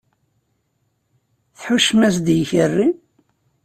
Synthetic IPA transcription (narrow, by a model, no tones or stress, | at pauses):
θħuʃmæs̬d̪jçərːi